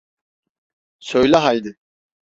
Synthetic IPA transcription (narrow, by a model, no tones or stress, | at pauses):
søjlʲaɦajd̪ɪ